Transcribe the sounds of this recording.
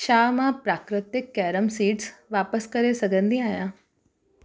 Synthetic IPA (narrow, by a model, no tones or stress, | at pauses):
ʃaːmãpɾaːkɾɪt̪ɪkːɛːɾəmsiːʈsʋaːpəskɐɾesɐɡʱə̃nd̪ĩaːɦijãː